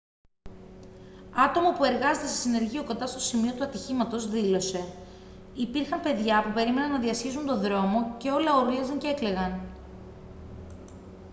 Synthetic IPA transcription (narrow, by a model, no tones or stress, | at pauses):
ɐt̪o̞mɐpue̞ɾɣɐze̞t̪esi̥sine̞ɾʝioko̞nd̪ɐst̪o̞simio̞t̪uɐt̪içimɐt̪o̞zðilo̞se̞ | ipiɾxɐmpe̞ðʝɐpupe̞ɾime̞nɐnːɐðiɐsçizunt̪o̞ðɾo̞mo̞ce̞o̞lɐoɾuliɐzɐɲceekle̞ɣɐn